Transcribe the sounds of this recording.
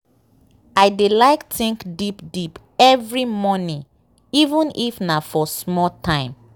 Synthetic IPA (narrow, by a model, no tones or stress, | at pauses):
aɪdelaɪktĩŋkdipdip | ɛvɹimɔnĩ | ivə̃nifnafɔsmɔtʰãɪ̃m